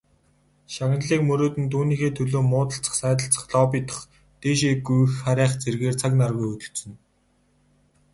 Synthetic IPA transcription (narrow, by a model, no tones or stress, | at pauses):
ʃaɣə̆nɮiːkmɵɾoːt̪ɘ̆nt̪̬ʰuːniːxeːt̪ʰɵɮoːmʊːt̪ə̆ɬt͡sə̥̆χsæːt̪̬ə̆ɬt͡sə̥̆χɮɔːp̬iːt̪ə̥̆χ | t̪eːʃeɡujxːaɾʲæːχt͡serɣeːrt͡sʰaknarɣujɵt̪ɵ̆ɬsɵ̆n